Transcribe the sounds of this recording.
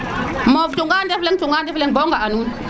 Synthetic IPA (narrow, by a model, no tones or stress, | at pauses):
movtuŋɡandefleŋtuŋɡandefleŋboŋɡaanu